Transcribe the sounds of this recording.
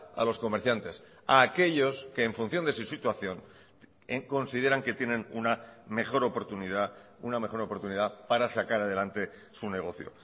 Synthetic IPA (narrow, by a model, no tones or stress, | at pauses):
a̰lo̞sko̞meɾθjant̪e̞s | aːke̞ʎo̞ske̞ːɱfun̟θjond̪e̞susit̪waθjo̞n | ko̞nsiðe̞ɾaŋke̞t̪je̞nenunamexo̞ɾopoɾt̪uniðauname̞xo̞ɾo̞poɾt̪uniðapaɾasakaɾað̞e̞lant̪e̞ | sune̞ɣ̞o̞θjo̞̰